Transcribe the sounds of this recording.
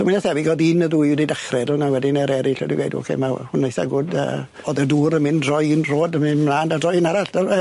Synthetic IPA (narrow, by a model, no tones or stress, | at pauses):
sʰɔminɛsθɛviɡɔdinəðuːjudidaχrɛdɔlˠnawɛdɪnɛɾɛɾɪɬɛ̰diɡwḛjdṵɔ̰kʰḛmahʊnaejsa̰ɡʊdə̰ | ɔðəduːɾəmɪndrɔjɪnroːdəmɪnmlˠaːndadrɔjɪnaɾaɬəɛ